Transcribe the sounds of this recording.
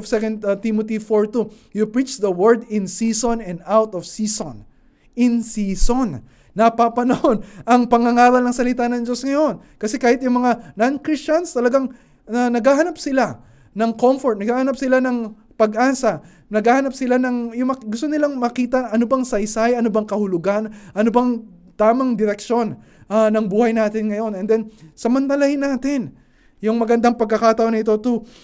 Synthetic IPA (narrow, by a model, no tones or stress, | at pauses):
vsɛkɐnd̪̚t̪imot̪ifoɹt̪u | jʊpɹit͡ʃd̪ɐwɛɹd̪ɪnsiːsonɛ̃nd̪awt̪ɔvsiːson | ɪnsiːsonː | ɐpapɐnɐho̞nʔɐŋpɐŋɐŋaːɾɐlnɐŋsɐlɪt̪anɐŋd͡ʒo̞sŋɐjo̞n | kɐsɛkaːhɪt̪̚jʊŋmɐŋanankɾist͡ʃɐnst̪ɐlɐɡaŋ | ɐnɐɡhahɐnap̚sɪla | nɐŋko̞mfoɹt̪nɐɡhaːhɐnɐpsɪlanɐŋ | pɐɡʔaːsɐ | nɐɡhaːhɐnɐp̚sɪlanɐŋjʊmɐɡʊst̪onɪlaŋmɐkiːt̪ɐʔɐnobɐŋsɐjsajɐnobɐŋkɐhʊlʊɡanʔɐnobɐŋ | t̪aːmɐŋd̪ɪɾɛk̚ʃo̞n | ʔanɐŋbuːhɐjnaːt̪ɪnŋɐjo̞nɛnd̪ɛnsɐmɐnt̪ɐlɐhɪnaːt̪ɪn | jʊŋmɐɡɐnd̪aŋpɐɡ̚kːɐkaːt̪ɐʔonɐɪt̪o̞t̪u